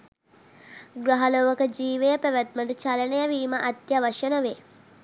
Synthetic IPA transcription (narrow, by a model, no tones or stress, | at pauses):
ɡɾɐɦɐloːʋɐkəd͡ʒiːʋejəpæʋæt̪̚məʈut͡ʃɐlɐnejaʋiːməʔɐt̪jaʋɐʃənəʋe